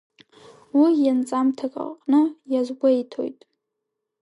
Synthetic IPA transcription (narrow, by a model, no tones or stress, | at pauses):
wijant͡sʼamtʰakʼa̰qʼnɨjazɡʷaitʰo̰jtʼ